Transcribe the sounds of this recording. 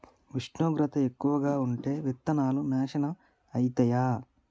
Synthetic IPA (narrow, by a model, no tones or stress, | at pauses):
ʋiʂɳuːɡɾɐt̪ɐekːuʋɐɡaːuɳʈe̞ːʋit̪ːɐnaːlunɛːʃɐnɐm | ɐjt̪ɐjaː